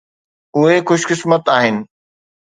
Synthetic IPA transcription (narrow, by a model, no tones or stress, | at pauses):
ʊɦexʊʃkɪsmət̪aːɦɪnɪ̆